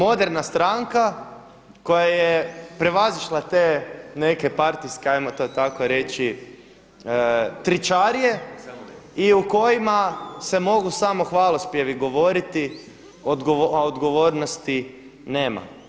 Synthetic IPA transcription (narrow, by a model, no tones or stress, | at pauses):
mo̞d̪eɾnast̪ɾaŋka | ko̞jajepɾe̞ʋaziʃlˠat̪eːne̞ke̞paɾt̪iskeajmot̪ot̪akoɾe̞t͡ʃi | t̪ɾit͡ʃaɾije | iuko̞jimase̞mo̞ɡusamo̞xʋaːlˠospjeʋiɡo̞ʋo̞ɾit̪i | od̪ɡood̪ɡo̞ʋo̞ːɾno̞st̪i | ne̞ːma̰